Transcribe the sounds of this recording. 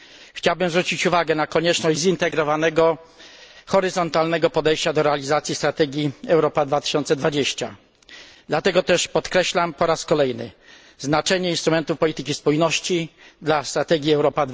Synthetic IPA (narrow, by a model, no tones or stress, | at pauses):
xt͡ɕawbɘmzvɾut͡ɕit͡ɕuvaɡɛnakɔɲɛt͡ʂnɔʑd͡ʑʲzint̪ɛɡɾɔvanɛɡɔ | xɔɾɘzɔnt̪alnɛɡɔpɔd̪ɛjɕt͡ɕad̪ɔɾɛalʲizat̪sʲjist̪ɾat̪ɛɡʲjiɛwɾɔpad̪vat̪ɘ̥ɕɔnt̪sɛd̪vad͡ʑeɕt͡ɕa̰ | d̪lat̪ɛɡɔt̪ɛʂpɔt̪kɾɛɕlampɔɾaskɔlɛjnɘ̰ | znat͡ʂɛɲɛinst̪ɾumɛnt̪ufpɔlʲit̪ɘkʲispujnɔɕt͡ɕid̪last̪ɾat̪ɛɡʲiɛwɾɔpad̪